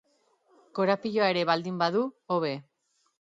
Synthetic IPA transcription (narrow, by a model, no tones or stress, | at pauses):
koɾapiʎoae̞ɾe̞βald̪imbaðuoβ̞e̞